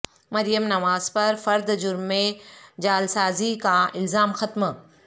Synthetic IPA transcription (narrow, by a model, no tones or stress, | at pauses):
mɐɾijəmnɐʋaːzpɐɾfɐɾd̪d͡ʒʊɾmːẽd͡ʑaːlsaːzikaɪlzaːmxɐt̪m